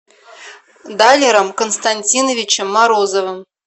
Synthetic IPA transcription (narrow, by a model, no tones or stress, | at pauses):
d̪alʲeɾəmkonst̪anʲtʲinovʲit͡ɕɘ̆mːɑɾozovəm